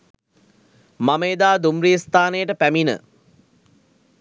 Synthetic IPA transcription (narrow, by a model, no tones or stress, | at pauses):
maməːd̪aːd̪umriəst̪aːnejəʈəpæminə̰